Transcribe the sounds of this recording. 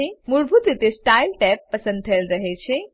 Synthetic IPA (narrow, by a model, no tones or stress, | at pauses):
emuɾbʱut̪et̪esʈaːɪlʈɛːpːɐsə̃nd̪̚t̪ʰəelɾɐɦet͡ɕʰe